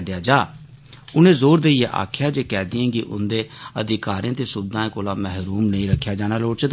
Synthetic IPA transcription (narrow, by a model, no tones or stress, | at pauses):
ɖjaːd͡ʒaː | ʊnẽːzoːɾd̪eːijeʔa̰ːkʰjaːd͡ʒeːkɛːd̪iãːɡiʔʊ̰nd̪eːəd̪ɪkaːɾĩãːt̪eːsʊbd̪ãːẽːkoːlãːmɛɦɾuːmnəĩːɾəkʰːjaːd͡ʒaːnaːloːɽt͡ʃ̪